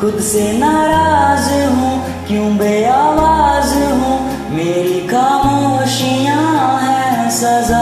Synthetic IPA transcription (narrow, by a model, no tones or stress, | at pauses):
kʊd̪senaɾazɨɦũ | kjũːbeawaːzɦũ | meːɾikamũoʃijãɦɛsɐza